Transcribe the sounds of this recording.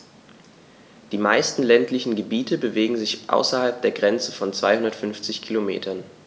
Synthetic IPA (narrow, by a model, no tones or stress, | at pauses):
d̥iːmaɪstn̩lɛntlɪçn̩ɡəbiːtʰəbəveːɡŋ̩zɪçʔa̰ʊsɐhalp̚d̥eːɐɡʁɛnt͡səfɔnt͡sv̥aɪhʊndɐtfʏnft͡sɪçkʰilomḛːtʰɐn